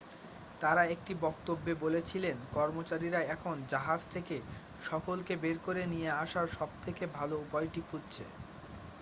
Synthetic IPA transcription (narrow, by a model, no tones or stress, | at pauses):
t̪aɾaek̚ʈibɔkt̪obːebolet͡ɕʰilenkɔɾmot͡ɕaɾiɾaɛkʰond͡ʑaɦad͡ʑt̪ʰeke | ʃɔkolkebeɾkoɾenijeaʃaɾʃɔb̚t̪ʰekebʱaloupɔjʈikʰudt͡ɕʰḛ